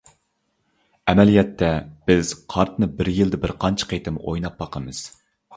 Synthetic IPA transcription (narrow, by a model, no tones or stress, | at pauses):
ɛmɛlijɛt̪ʰːɛb̥ɪz̥qʰɑɾt̪ʰnɨbɪɾjɨlˠd̪ɪbɪɾqʰɑnt͡ʃʰə̥qʰejt̪ʰɪmo̰jnɑp̚ːɑqʰəmɨz̥